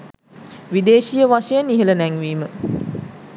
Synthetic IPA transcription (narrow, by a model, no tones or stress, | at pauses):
ʋid̪eːʃijəʋaʃejəniɦələnæŋʋiːmə